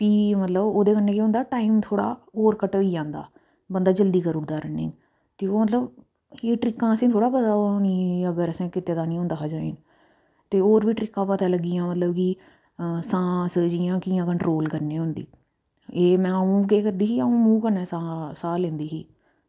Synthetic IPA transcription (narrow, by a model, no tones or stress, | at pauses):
piːmət̪ləboːd̪eːkənːẽːkiɦʊ̃nd̪aːʈaːiːmt̪ʰoːɽa̰ːoːɾkəʈoːiːd͡ʒãːnd̪a̰ː | bənd̪aːd͡ʒəld̪iːkəɾʊd̪aːɾəːnḭ̃ː | t̪eːoːmət̪ləb | eːʈɾɪkːãːəsĩːt̪ʰoːɽaːpət̪aːonĩːəɡəɾəsẽːkɪt̪eːd̪aːnĩːʊ̃nd̪əɦaːd͡ʒaːḛːn | t̪eːoːɾʋiːʈɾɪkːãːpət̪aːləɡːijãːmət̪ləbki | sãːsəːd͡ʒijãːkɪːãːkəɳʈɾoːlkəɾnẽːɦʊ̃nd̪ḭː | eːmɛ̃ːəũːkeːkəɾd̪iːɦiːaːũːmũːkəneːsasaːlẽːnd̪iːɦḭː